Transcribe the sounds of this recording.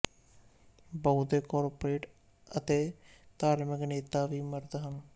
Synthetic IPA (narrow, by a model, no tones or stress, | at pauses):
bəud̪eːkɔːɾpɾeːʈ | ət̪eːt̪aːɾmɪkneːt̪aːʋiːməɾd̪ɦəm